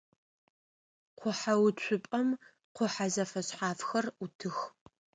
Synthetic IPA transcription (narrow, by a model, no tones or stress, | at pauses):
qʷʊħawt͡ʃʷʰʊpʼɐm | qʷʊħazɐfɐɕħaːfxɐrutʰɨx